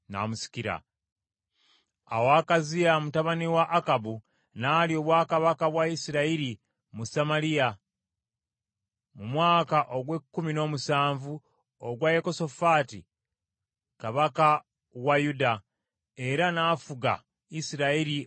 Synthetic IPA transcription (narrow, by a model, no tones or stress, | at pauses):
na̰musi̥ciɾa̰ | a̰wakazijamutaβaniwaʔːkabu | naːlio̞βwaːkaβakaβwaisiɾaiɾi | musamaɾija | mumwaːkaʔo̞ɡwe̞kːumino̞ːmusaːɱvu | oɡwajeko̞so̞faːti | kaβaka | wajuda | e̞ɾanaːfuɡa̰ | isiɾaiɾi